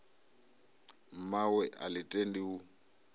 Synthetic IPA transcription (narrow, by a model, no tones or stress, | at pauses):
m̩mawɛʔalɪtʼendiu